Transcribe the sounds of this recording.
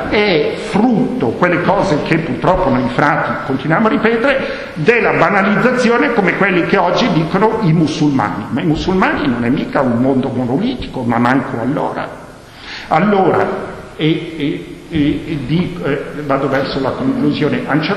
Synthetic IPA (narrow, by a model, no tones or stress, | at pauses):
ɛfɾut̪ːokwelːekɔːzekʰepːurt̪ɾɔpːonojfɾat̪ːikont̪inwjamoarːipɛːt̪eɾe | d̪elːabanalid̪zːat̪sːjoːnekomekwelːikeɔd͡ʒːid̪iːkonoimusːulma̰ːnimaimusulmaːninonɛmːiːkaummond̪omonoliːt̪i̥komamːaŋkʰoalːo̰ːɾa̰ | alːoːɾa̰ | e | d̪ivaːd̪ovɛrsolakoŋkluzjoːneʔant͡ʃe